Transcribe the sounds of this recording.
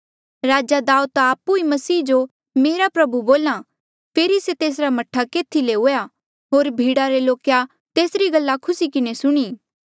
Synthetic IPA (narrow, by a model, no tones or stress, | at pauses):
ɾaːd͡ʒad̪aːut̪ːpuimɐsiːd͡ʒo | meːɾapɾɐbuboːla | pʰeːɾiset̪eːs̬ɾamɐʈʰːakeːt̪ʰileɦoːja | ɦoːɾbʱiːɽaɾeloːkja | t̪eːsɾiɡɐlːakʰʊsikɪnesʊɽ̃iː